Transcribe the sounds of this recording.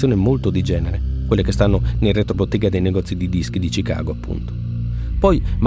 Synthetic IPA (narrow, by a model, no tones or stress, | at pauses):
joːnemolt̪od̪id͡ʒɛːneɾekwelːekest̪anːonelret̪ɾobot̪ːɛːɡad̪ejnɛɡɔt̪sːid̪id̪isk̟id̪it͡ʃika̰ːɡoapːṵnt̪o̥ | pɔjm